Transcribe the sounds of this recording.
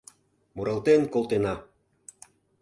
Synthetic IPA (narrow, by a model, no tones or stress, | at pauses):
muɾɑlˠt̪enkolt̪enɑ